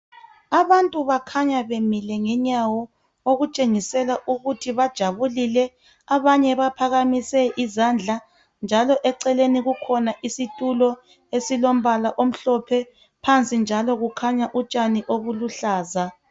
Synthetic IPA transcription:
aβantʼuβakʰaɲaβemilɛŋɛɲawɔ | oɣut͡ʃʼeŋisɛlaʔuɣutʰiβad̥ʒ̥ʱaβulilɛ | aβaɲɛβapʰaɣamisɛʔizand͡ɮʱa | nd͡ʒʱalɔʔɛǀɛleniɣukʰɔnaʔisitʼulɔ | esilom̩βalaʔom̩ɬɔpʰɛ | pʰant͡sʼind͡ʒʱalɔɣukʰaɲaʔut͡ʃʼaniʔoβuluɬaːza

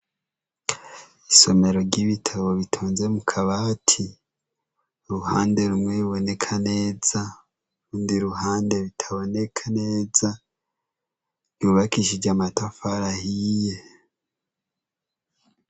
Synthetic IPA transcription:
iso̞me̞ɾo̞ɾɟiβitʰaβo̞βitʰoːnze̞mukʰaβatʰi | ɾuhaːnde̞ɾumweɾuβo̞ne̞kʰane̞ːz̥a | ɾuːndiɾuɦaːnde̞βitʰaβo̞ne̞kʰane̞ːza | juːβakiʃiɾɟamatafaɾahije̞

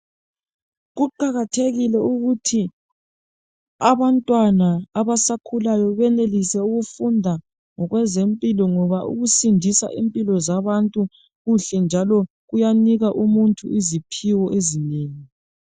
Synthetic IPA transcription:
ɣuǃaɣatʰeɣilɛuɣutʰi | aβantʼwanaːβasakʰulajɔβɛnelisɛuɣufundʱa | ŋɔɣwɛzempʼilɔŋɔβaʔṵɣusindʱisa̰ʔimpʼilɔzaβantʼu | ɣuɬɛnd͡ʒʱalɔ | ɣujaniɣaʔumuntʰʼuʔizipʰiwɔʔezineːŋi

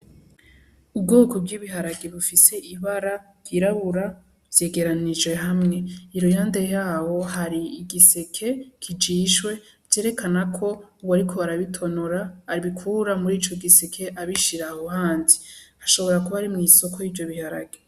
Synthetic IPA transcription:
ub̚ɡoːkobɡiːβiɦaɾaɡeβufise̞ʔiβaɾa | ɡ̥iɾaβuɾa | vje̞ːɡe̞ɾanid͡ʒwe̞ɦamŋe̞iɾojaːnde̞jaːwo̞ɦaɾiːɡise̞kʰe̞kʰid͡ʒiːʃwe̞ | ɟ̥e̞ːɾe̞kanakʰo̞uβwaɾikʰo̞aɾaβitʰo̞noɾaːɾiβikʰuɾamuɾiːt͡ʃo̞ɡise̞kʰe̞ʔaβiʃiɾahohaːnziaʃo̞βo̞ɾakuβaɾimŋiːso̞kʰo̞jivjo̞βihaɾa̰ɡe

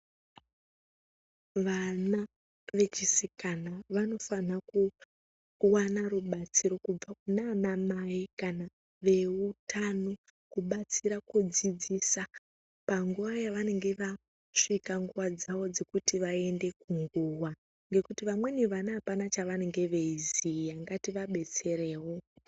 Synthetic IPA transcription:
ʋana | ʋe̞t͡ʃisikanaʋano̞fanaku | wanaɾuɓat͡siɾo̞kub͡vakunanamaikana | ʋe̞utʰano | kuɓat͡siɾakud͡zid͡zisa | paŋɡuʋajaʋane̞ŋɡe̞ʋa | ʂikaŋɡuʋad͡zawo̞d͡ze̞kutiʋae̞nde̞kuŋɡuwa | ŋɡe̞kutiʋamwe̞niʋanaːpanat͡ʃaʋane̞ŋɡe̞ʋe̞izijaŋɡatiʋaɓe̞t͡se̞ɾeːwo

